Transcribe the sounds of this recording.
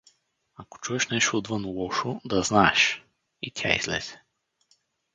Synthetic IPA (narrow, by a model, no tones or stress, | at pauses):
ako̥t͡ʃuɛʃnɛʃt̪ood̪vɤnlˠɔʃʊd̪ɐznaɛʃ | it̪ʲʰa̰ḭz̥lɛ̰z̥ɛ̥